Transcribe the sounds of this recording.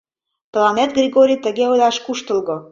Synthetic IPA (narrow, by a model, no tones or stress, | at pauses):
plˠɑnet̪̚ɡrʲiɣoɾʲijt̪ə̆ɣeolɑʃkuʃt̪ə̆lɣɤ̆